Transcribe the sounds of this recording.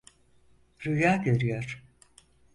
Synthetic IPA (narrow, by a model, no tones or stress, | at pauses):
ɾujaːɟø̞ɾyjoɾ̥